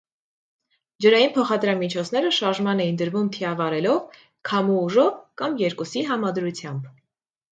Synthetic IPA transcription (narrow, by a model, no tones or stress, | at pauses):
d͡ʒəɾɑjinpʰɔχɑd̪ɾɑmit͡ʃʰɔt͡sʰn̪ɛɾəʃɑɾʒmɑnɛjind̪əɾvumt̪ʰiɑvɑɾɛlɔv | kʰɑmuːʒɔvkɑmjɛɾkusiɦɑmɑd̪ɾut͡sʰjɑmb